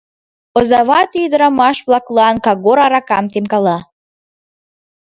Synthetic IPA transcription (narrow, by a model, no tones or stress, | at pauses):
ozɑvɑt̪id̪ɾamɑʃblˠɑklˠɤɑnkɑɡoɾɑɾɑkɑmt̪emkɑlˠɑ